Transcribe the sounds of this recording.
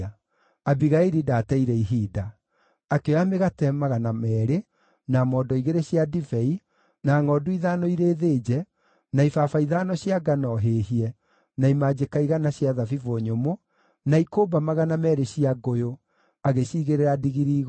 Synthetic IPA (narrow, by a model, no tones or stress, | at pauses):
abiɣaiɾidaːtɛiɾɛiɦiːda | akeɔameɣatɛmaɣanamɛːɾe | namɔːdɔiɣeɾeɕiadivɛi | naːŋɔːduiðanɔiɾeːðeːd͡ʑɛ | naifaːfaiðaːnɔɕjaɡanɔɦeɦiɛ | naimad͡ʑekaiɣanaɕiaðavivoɲomo | naikoːbamaɣanamɛːɾeɕiaɡojo | aɣeɕiːɣeɾeɾadiɣiɾiːɣ